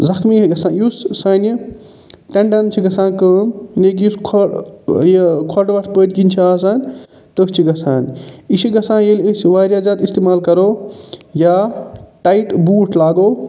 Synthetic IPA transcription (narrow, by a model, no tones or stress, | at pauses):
zɐxʰmiɡɐsãːjussaːn | ʈɐɳɖɐnt͡ʃʰiɡɐsãːnkəːminekjuskʰ | jkʰɔʈʋɐʈʰpəːʈkinʲt͡ʃʰiaːsaːnʲ | t̪əkt͡ʃʰiɡɐsaːnisiɡɐsãːjelsʋaːɾjaːd͡ʒaːd̪ist̪eːmaːlkɐɾoːjaːʈaiʈbuːʈʰlaːɡoː